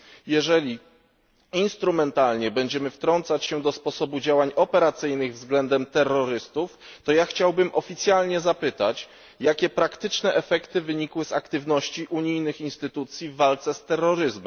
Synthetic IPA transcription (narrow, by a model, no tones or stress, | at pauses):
jɛʐɛlʲi | inst̪ɾumɛnt̪alɲɛbɛɲd͡ʑɛmɘft̪ɾɔnt̪sat͡ɕɕɛd̪ɔspɔsɔbud͡ʑawaɲɔpɛɾat̪sɘjnɘɣvzɡlɛnd̪ɛmt̪ɛrːɔɾɘst̪uft̪ɔjaxt͡ɕawbɘmʔɔfʲit̪sʲjalɲɛzapɘt̪at͡ɕ | jakʲɛpɾakt̪ɘt͡ʂnɛʔɛfɛkt̪ɘvɘɲikwɘzakt̪ɘvn̪ɔɕt͡ɕiʔuɲijnɘxinst̪ɘt̪ut̪sʲjivːalt̪sɛst̪ɛrːɔɾɘzmɛm